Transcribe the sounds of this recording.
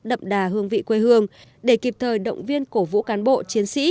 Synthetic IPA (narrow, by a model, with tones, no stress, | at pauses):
ɗə̰˧˨mɗaː˨˩ɦɨ˧əŋvḭ˧˨kwe˧ɦɨ˧əŋ | ɗe˧˩ki˨˩p̚t̪ʰəː˨˩jɗə̰˧˨wŋ͡mvi˧ənko˧˩vṵ˧˥kaː˨˦nɓo̰˧˨t͡ɕi˨˦ənsḭ˧˥